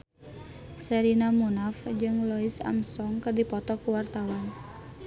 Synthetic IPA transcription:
sɛɾinamunafd͡ʒɨŋlɔisa̰msɔŋkɨrdipɔt̪ɔkuwart̪awan

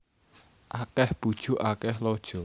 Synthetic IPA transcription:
ʔakɛhb̥ud̥ʒ̥ṳʔakɛhlod̥ʒ̥ɔ̤

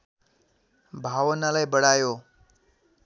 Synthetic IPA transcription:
bʱaʋnalajbəɽajo

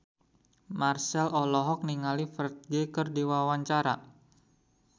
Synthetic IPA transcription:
marsɛlɔlɔɦɔk̚niŋalifərt̪̚ɡekərdiwawaɲt͡ʃaɾa̰

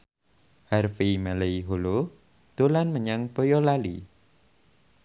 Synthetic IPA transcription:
harfimaleiɦolo | d̪̥o̤lanməɲaŋpojɔlali

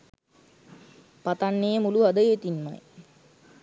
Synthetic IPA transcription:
pat̪anːejəmuluad̪əjet̪inma̰j

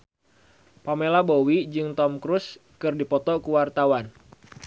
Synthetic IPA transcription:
pamelabowid͡ʒɨŋt̪ɔmkɾuskɨrdipɔt̪ɔkuwart̪awan

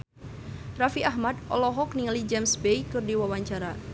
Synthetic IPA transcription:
rafiaɦmad̪̚ɔ̰lɔɦɔkniŋəlid͡ʒɛmsbeikɨrdiwawaɲt͡ʃaɾa

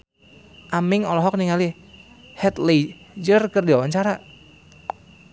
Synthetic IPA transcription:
ʔamɪŋɔlɔɦɔk̚niŋali | hɛt̪led͡ʒərkərdiwawaɲt͡ʃaɾa

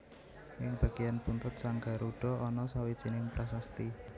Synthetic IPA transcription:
jɪŋb̥a̤ɡ̥ejanpunt̪ʊt̪̚saŋɡaɾuɖ̥ɔ̤ɔnɔsawi̥t͡ʃinɪŋpɾasast̪i

